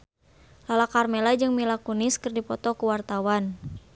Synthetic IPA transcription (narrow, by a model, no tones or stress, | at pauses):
lalakarmɛlad͡ʒɨŋmilakunɪskərdipɔt̪ɔkuwart̪awan